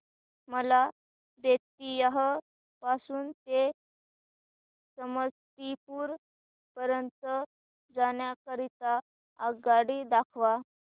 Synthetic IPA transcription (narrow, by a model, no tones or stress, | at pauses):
məla | d̪et̪̚ijaɦə | pasuːnt̪e | səməst̪ipuːɾ | pəɾənt̪ə | d͡zaɳ̃jakəɾit̪aː | ɡaɽiːd̪akʰʋa